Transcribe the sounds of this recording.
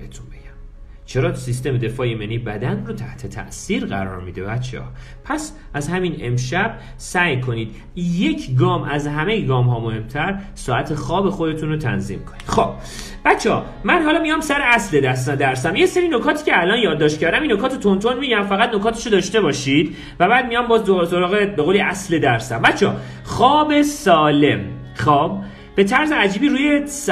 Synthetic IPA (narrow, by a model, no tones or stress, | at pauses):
et̪ʰunbe̥æm | t͡ʃʰe̞ɾɒːt̪ʰu̥sist̪e̞med̪e̞fɒːjemeniːbæd̪ænrot̪ʰæht̪ʰe̞t̪ʰæ̰ʔsiːɾɣæ̰ɾɒ̰ːɾmiːd̪e̞bæt̪t͡ʃʰḛʔɒ̰ː | pʰæs | æzhæmine̞̰mʃæb̚ | sæjkʰo̞niːd̪̥ | je̞cʰɡɒːmʔæzɦæme̞jiɡɒːmɦɒːmohe̞mt̪ʰæɾ | sɒːʔæt̪ʰe̞xɒːbe̞xo̞d̪e̞t̪unɾot̪ʰæ̰nzḭːmkʰo̞̥nːid̪̥xob̥̚ | b̥æt̪t͡ʃʰːeɒː | mænɦɒːlɒːmijɒmsæɾeæsle̞d̪æsæd̪æɾsæmjese̞ɾiːno̞kʰɒːt̪ʰiːcʲʰeælɒːnjɒːd̪ːɒːʃt̪cʰæɾd̪æminːo̞kʰɒːt̪ʰet̪ʰo̞nt̪ʰo̞nmiɟæmfæɣæt̪no̞kʰɒːt̪ʰe̥ʃod̪ɒːʃt̪e̞bɒːʃiːd̪̥ | væbæːd̪̚mijɒmbɒːzoso̞ɾɒːɣe̞beɣoːliʔæsled̪æɾsæmbæt̪t͡ʃʰɒ̰ː | xɒːbe̞sɒːle̞̰m | xɒːb̥ː | e̞t̪ʰæɾzeæd͡ʒiːbiːɾuːjes